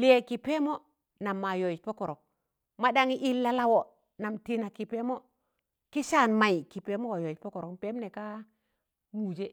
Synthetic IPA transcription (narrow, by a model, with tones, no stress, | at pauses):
li˦je˨ki˨pe˦mo˦ | na˨mːa˨jo˨i˨t͡ʃpo˦ko˨ɾo˨k̚ | ma˦da˦ŋi˦ʔi˦lːa˦la˦wo˨ | na˨mti˦na˨ki˨pe˦mo˦ | ki˦ʃa˦˨nma˨i˨ki˨pe˦mo˦wa˨jo˨i˨po˦ko˨ɾo˨kpe˦mne˨ka˦ | mu˨d͡ʒe˦